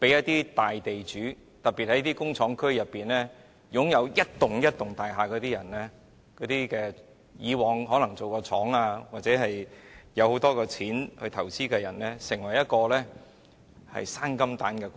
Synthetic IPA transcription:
pe˨˥jɐ˥t̚t̪iː˥t̪aː˨jt̪e˨jt͡ʃyː˨˥ | t̪ɐ˨t̚pi˨t̚hɐ˨˥jt̪iː˥kʊ˥ŋt͡ʃʰɔː˨˥ŋkʰɵ˥ɥjɐ˨˩pːiː˨nlɛː˥ | jʊ˨˥ŋjɐ˨˧wjɐ˥t̚t̪ʊ˨ŋjɐ˥t̚t̪ʊ˨ŋt̪aː˨jɦaː˨˧kɔː˨˥t̪iː˥jɐ˨˩nlɛː˥ | kɔː˨˥t̪iː˥kɛː˧ | jiː˨˧wɔː˨˧ŋɦɔː˨˥lɐ˨˩ŋt͡so˨wkɔː˧t͡sʰɔː˨˥ŋaː˧waː˨t̚t͡sɛː˨˧˥ɦɐ˨jjɐ˨˧who˨˥wt̪ɔː˥kɔː˧t͡sʰiː˨˥nhɵ˧ɥt̪ʰɐ˨˩wt͡siː˥kɛː˧jɐ˨˩nlɛː˥sɪ˨˩ŋwɐ˨˩jɐ˥t̚kɔː˧lɛː˥ | hɐ̰˨jsaː˥nkɐ˥mt̪aː˨˥nkɛː˧

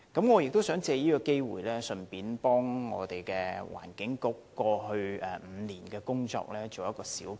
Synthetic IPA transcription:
kɐ˨˥mŋɔː˨˧jɪ˨k̚t̪o˥wsœː˨˥ŋt͡sɛː˧jiː˥kɔː˧ke˥jwṵː˨˩jlɛː˥sɵ˨npiː˨˥npɔː˥ŋːɔ̰ː˨˧t̪e˨˩jkɛː˧wa̰ː˨˩nkɪ˨˦˥ŋkʊ˨˥kːɔː˧ɦɵ˧ɥɛ˨m̩ː˨˧niː˨˩nkɛː˧kʊ˥ŋt͡ʃɔ̰ː˧k̚lɛː˥t͡so˨wjɐ˥t̚kɔː˧siː˨˥w

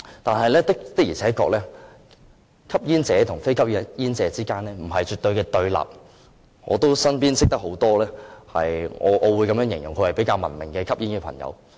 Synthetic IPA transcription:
t̪aː˨nhɐ˨jlɛː˥t̪ɪ˥kt̪ɪ˥k̚jiː˨˩t͡sʰɛː˨˥kɔː˧k̚lɛː˥ | kʰɐ˥p̚jiː˥nt͡sɛː˨˧t̪ʰʊ˨˩ŋfe˥jkʰɐ˥p̚ːjiː˥nt͡sɛː˨˧t͡siː˥kaː˥nlɛː˥m̩˨˩ɦɐ˨jt͡ʃyː˨t̪ːɵ˧ɥkɛː˧t̪ɵ˧ɥla̰ː˨p̚ | ŋɔː˨˧t̪o˥wsɐ˥npiː˥nsɪ˥k̚t̪ɐ˥k̚ho˨˥wt̪ɔː˥lɛː˥hɐ̰˨jŋɔ̰ː˨˧ʔɔː˨˧wuː˨˧jkɐ˨˥mjœː˥ŋjɪ˨ŋjʊ˨˩ŋkʰɵ˨˧hɐ˨jpe˨˥jkaː˧wmɐ̰˨˩nmɪ˨˩ŋkɛː˧kʰɐ˥p̚jiː˥nkɛː˧pʰɐ̰˨˩ŋjɐ̰˨˧w

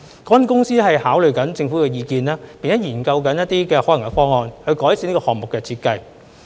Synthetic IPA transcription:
kɔː˨˥wɐ˥nkʊ˥ŋsiː˥hɐ˨jhaː˨˥wlɵ˨ɥkɐ˨˥nt͡sɪ˧ŋfuː˨˥kɛː˧jiː˧kiː˧naː˥ppiː˨nt͡sɛː˨˥jiː˨˩nkɐ˧wkɐ˨˥njɐ˥t̚t̪iː˥kɛː˧hɔː˨˥lɐ˨˩ŋkɛ˧fɔː˥ŋɔː˨˧nhɵ˧ɥkɔː˨˥jsiː˨˧niː˥kɔː˧hɔː˨˩ŋmʊ˨kːɛː˧t͡sʰiː˧t̚kɐ˧j

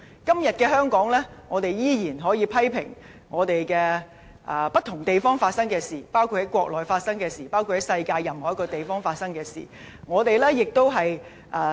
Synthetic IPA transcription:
kɐ˥mjɐ˨t̚kɛː˧ɦœː˥ŋkɔː˨˥ŋlɛː˥ŋɔː˨˧t̪e˨jjiː˥jiː˨˩nɦɔː˨˥jiː˨˧pʰɐ˥jpʰɪ̰˨˩ŋ | ŋɔː˨˧t̪e˨jkɛː˧ | ʔɐː˨pɐ˥t̪ʰʊ˨˩ŋt̪e˨jfɔː˥ŋfaː˧t̚sɐ˥ŋkɛː˧siː˨˩paː˥wkʰu˧t̚hɐ˨˦jkʷɔː˧k̚lɔː˨jfaː˧t̚sɐ˥ŋkɛː˧siː˨˩paː˥wkʰu˧thɐ˨˥jsɐ˧jkaː˧jɐ˨mhɔː˨˥kɔː˧t̪e˨jfɔː˥ŋfaː˧t̚sɐ˥ŋkɛː˧sḭː˨˩ | ŋɔː˨˧t̪e˨jlɛː˥jɪ˨k̚t̪o˥wɦɐ˨j | ʔaː˨

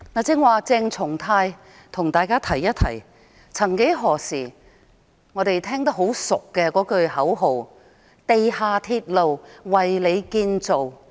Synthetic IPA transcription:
naː˨˩t͡sɪ˧˥ŋwaː˨˧t͡sɪ˧ŋt͡sʰʊ˨˩ŋt̪ʰaː˧j | t̪ʰʊ˨˩ŋt̪aː˨jkaː˥t̪ʰɐ˨˩jːɐ˥t̚t̪ʰɐ̰˨˩j | t͡sʰɐ˨˩ŋke˨˥jɦɔː˨˩siː˨˩ | ŋɔː˨˧ɾe˨jt̪ʰɛː˥ŋt̪ɐ˥k̚ɦo˨˥wsʊ˨kːɛ˧kɔː˨˥kɵ˧ɥhɐ˨˥wɦo˨˧w | t̪e˨jhaː˨˧t̪ʰiː˧t̚lo˨wwɐ˨jle˨˧jkiː˧nt͡so˨w

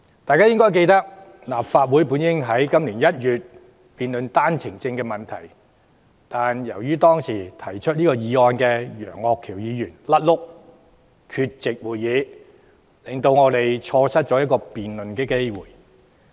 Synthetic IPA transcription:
t̪aː˨jkaː˥jɪ˥ŋkɔː˥jk̬e˧jt̪ɐ˥k̚ | laː˨˩faː˧t̚wu˨˥jpuː˨˥njɪ˥ŋɦɐ˨˥jkɐ˥mliː˨˩njɐ˥t̚jyː˨t̚ | piː˨nlɵ˨nt̪aː˥nt͡sʰɪ˨˩ŋt͡sɪ˧ŋkɛː˧mɐ˨˩nt̪ʰɐ˨˩j | t̪aː˨njɐ˨˩wjyː˥t̪ɔː˥ŋsiː˨˩t̪ʰɐ˨˩jt͡ʃʰɵ˥t̚liː˥kɔː˧jiː˨˧ɔː˧nkɛː˧jœ̰ː˨˩ŋɔː˧kʰːiː˨˩wjiː˨˧jyː˨˩nlɐ˥t̚lʊ˥k̚ | kʰyː˧t̚t͡sɪ˨k̚wuː˨jjiː˨˧ | lɪ˨˩ŋt̪o˧wŋɔː˨˧t̪e˨jt͡ʃʰɔː˧sɐ˥t̚t͡ʃɔ˨˥jɐ˥t̚kɔː˧piː˨nlɵ˨nkɛː˧ke˥jwuː˨˩j

